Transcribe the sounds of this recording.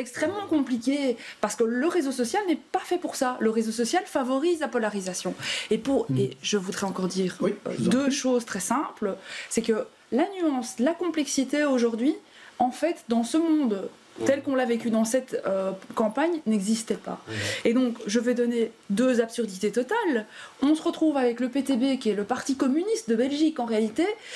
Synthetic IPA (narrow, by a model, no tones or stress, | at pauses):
ɛkst̪χɛmːɑ̃kɔ̃plikʲepaʁsə̥kələʁezosɔsjalnɛpafɛpuʁsaləʁezosɔsjalfavɔʁizlapɔlaʁizasjɔ̃epuʁḛʒəvud̪ʁɛɑ̃kɔʁd̪iːʁ̰d̪øʃoːzt̪χɛsɛ̃plsɛkə | lanyɑ̃slakɔ̃plɛksit̪eoʒuʁd̪ɥi | ɑ̃fɛt̪d̪ɑ̃səmɔ̃d̪ | t̪ɛlkɔ̃lavekʲyd̪ɑ̃sɛt̪økɑ̃paɲnɛɡzist̪ɛpa̰ed̪ɔ̃kʒəvɛd̪ɔned̪øzapsyʁd̪it̪et̪ɔt̪alɔ̃səʁət̪χuvavɛkləpet̪ebekʲiɛləpaʁt̪ikɔmynist̪̚d̪əbɛlʒikɑ̃ʁealit̪e